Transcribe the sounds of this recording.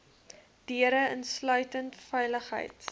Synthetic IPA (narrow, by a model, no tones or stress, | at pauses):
d̥iəɾəənslœɥtəntfɛjləχɦə̰jt